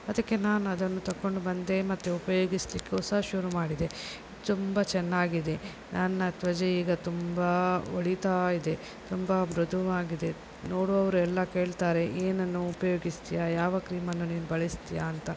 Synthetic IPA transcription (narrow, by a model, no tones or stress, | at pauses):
ɐd̪ɐkːe̞naːnɐd̪ɐnːut̪ɐkːo̞ɳɖubɐnd̪e̞mɐt̪ːeupɐjo̞ːɡislikːeɔsɐɦɐʃuɾumaːɽid̪e̞ | t̪umbɐt͡ʃɛnːaːɡid̪e̞ | nɐnːɐt̪ʋɐd͡ʒeiːɡɐt̪umbɐʋɐɭit̪aid̪e̞ | t̪umbɐbɾud̪ʱuʋaːɡid̪e̞ | no̞ːɽoɐʋɐɾuɛlːɐke̞ːɭt̪aːɾe̞ʔeːnɐnːuːpɐjo̞ːɡist̪ijajaːʋɐkɾiːmɐnːuniːnubɐɭist̪ijaːnt̪ɐ